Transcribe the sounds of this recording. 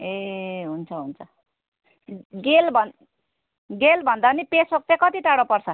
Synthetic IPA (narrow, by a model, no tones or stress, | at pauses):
eɦunt͡sʰʌɦunt͡sʰʌ | ɡelbʱʌn | ɡelbʱʌnd̪anipesok̚t̪ekʌt̪iʈaɽopʌrt͡sʰʌ